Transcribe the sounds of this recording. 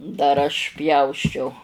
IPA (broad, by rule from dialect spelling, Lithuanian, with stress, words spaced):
dɐr ˈɐʃ ˈpʲjɛʊsʲt͡ʃʲɛʊ